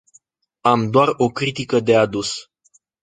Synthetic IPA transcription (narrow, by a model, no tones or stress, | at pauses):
amd̪oaro̞kɾit̪ikəd̪e̞ad̪us